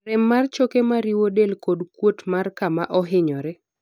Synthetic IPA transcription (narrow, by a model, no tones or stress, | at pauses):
rɛmːart͡ʃokemaɾiwodelkodkwotmarkamaʔɔɦɪɲɔɾɛ